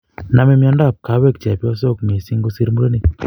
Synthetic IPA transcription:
na˨me˦mjɔ˧nda˦˨p̚ka˨˦we˦k̚t͡ʃɛ˨pjɔ˦s̬o˦˨kme˨si˦ŋɡo˦si˦ɾmu˦ɾo˦ni˦˨

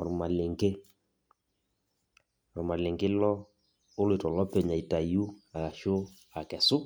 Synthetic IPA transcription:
ɔ˨ɾma˨le˨ŋɡe˦ | ɔ˨ɾu˨ma˨le˨ŋɡe˦lɔ˦ | o˦le˨tɔ˨lɔ˦pe˨ɲa˨i˨ta˨ju˦a˨ka˨ʃo˦ | a˨kɛ˨sʊ˦

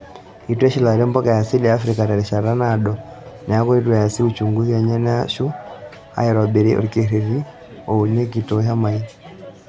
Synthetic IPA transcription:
i˨twɛ˦ʃi˦la˨ɾɔ˦mba˦ka˨ja˨si˦lijaː˦fɾi˨ka˨ɾa˨ɾi˨ʃa˨ɾa˦naː˨ɗɔ˨ | na˨a˦kɔ˦i˦twɛ˨ja˨si˦u˦t͡ʃu˨ŋɡu˦a˨ɲa˦na˦ʃu˦ | a̰˨jɛ˨ɾwa˨be˨ɾe˦ʔo̰ɾke˨ɾe˨ɾi˦ | o˨u˨ne˦k̬i˨to˨ɦa˦ma˨i˦

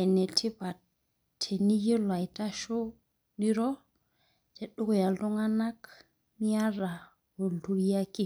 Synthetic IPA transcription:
e˨ne˨tʰi˦pa˨ | tʰːe˨ni˦ji˦la˨jta˦ʃo˦ | ɗi˦ɾo˦ | te˨ɗu˦ko˨ja˨ltu˦ŋa˦na˦k | mi˦ja˦ɾa˨ | wo˨ltu˦ja˦ki˦

